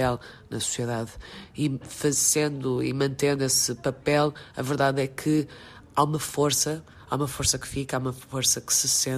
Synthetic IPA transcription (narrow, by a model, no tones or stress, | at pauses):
ɛlˠ | nɐsu̥siɛðaðifɐzẽnd̪uḭmɐ̃nt̪ẽnd̪wesɨpɐpɛlˠɐ̰vɨɾðaðɛkʰɨ | aumɐfoɾsɐ | a̰umɐfoɾsɐkɨ̥fikaumɐfoɾsɐkɨ̥sɨsẽ